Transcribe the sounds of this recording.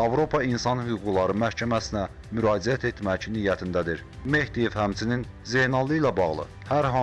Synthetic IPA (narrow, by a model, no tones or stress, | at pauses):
ɑvɾo̞pʰɑinsɑnhyɣuɡulˠɑɾɯmæhcʰæmæsinæ | myɾɑːd͡ʒiæt̪ʰet̪mæcniːjːæt̪ʰind̪æd̪iɾ | me̞hd̪ije̞vhæmt͡ʃʰinin | zejnɑlˠɯilæbɑɣlˠɯ̰ | hæɾɦɑ